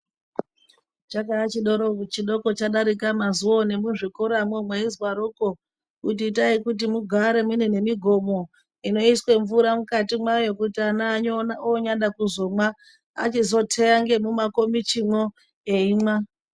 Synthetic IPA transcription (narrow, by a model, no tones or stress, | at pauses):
t͡ʃakaat͡ʃiɗoɾot͡ʃiɗo̞ko̞t͡ʃaɗaɾikamazuone̞muʐikoɾamwomweizwaɾoko | kutiːtaikut̬imuɡʱaɾe̞mune̞ne̞miɡʱo̞mo̞ | ino̞iswe̞ɱvuɾamukatimwajo̞kutianaɲaoɲaɗakuzo̞mwa | a̰t͡ʃizo̞tʰeaŋɡe̞mumakomit͡ʃimwo | eimwa